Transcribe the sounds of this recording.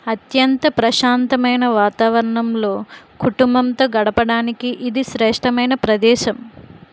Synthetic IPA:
ɐt̪jɐnt̪ɐpɾɐʃaːnt̪ɐmɐjnɐʋaːt̪aːʋɐɾɐɳɐmlo̞ːkuʈumbɐmt̪o̞ːɡɐɽɐpɐɽaːnikiʔid̪iʃɾɛːʂʈʰɐmɐjnɐpɾɐd̪ɛːʃɐm

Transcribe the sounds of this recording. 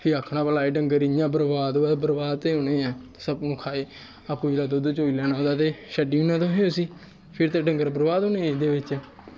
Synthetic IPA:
pʰɪəkʰːnãːpəlaːeːɖəŋɡəɾijãːbəɾbaːd̪oːɛːbəɾbaːd̪̚t̪ẽːoːnẽːɛ̃ːsəbnũːkʰaːeː | apũːilaːd̪od̪oːt͡ʃoːiːlɛːnaːõːd̪aːt̪eːʃəɖiːunãːt̪õːɦẽosiː | pʰɪɾt̪eːɖəŋɡəɾbəɾbaːd̪oːneːd̪eːʋɪt͡ʃɛː

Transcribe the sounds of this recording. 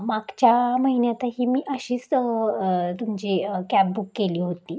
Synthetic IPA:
maɡt͡ɕjaməɦinjat̪aɦiːmiːʔəɕiːt͡s | t̪umd͡ʑiːkæp̚bukːeliːɦot̪iː

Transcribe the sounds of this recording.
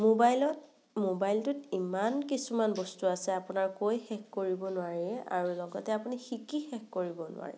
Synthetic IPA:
mobajlɔt | mobajltʊtimankisumanbɔstuasɛapunaɹkojxɛkkoɹibɔnʊaɹiɛa̰ɹulɔɡɔtɛapunixikixɛkːoɹibɔnʊ̰wa̰ɹɛ̰

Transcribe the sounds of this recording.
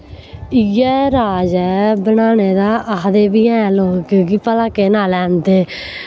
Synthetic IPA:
ɪjɛːɾaːd͡ʒɛːbənaːneːd̪aːʔad̪eːbiːɛ̃ːloːkːɡipəlaːkeːnaːlɛːnt̪eː

